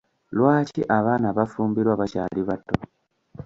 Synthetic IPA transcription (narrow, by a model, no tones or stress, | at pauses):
lwaːciʔaβaːnaβafuːmbiɾwaβaca̰ːliβatːo